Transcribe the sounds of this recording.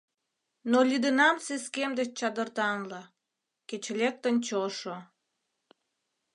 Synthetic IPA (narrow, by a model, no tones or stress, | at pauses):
nolʲyd̪ənɑmseskemd̪et͡ɕt͡ɕɑd̪ərt̪ɑnlɑ | ket͡ɕlʲek̚t̪ənt͡ɕoʃo